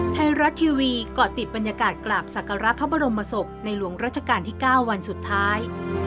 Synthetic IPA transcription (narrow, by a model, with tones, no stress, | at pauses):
t̪ʰa˧jɾa˦˥t̪ʰːiː˧wiː˧kɔː˨˩t̪i˨˩t̪̚ba˧njaː˧kaː˨˩t̪̚klaː˨˩p̚sa˨˩kʰa˧ɾa˦˥pʰːa˦˥ba˧ɾo˧mpːa˧so˨˩p̚na˧jlu˩˦əŋɾaː˥˩t̪̚t͡ɕʰa˧kaː˧nt̪ʰiː˥˩kaː˥˩wːa˧nsu˨˩t̪ʰːaː˦˥j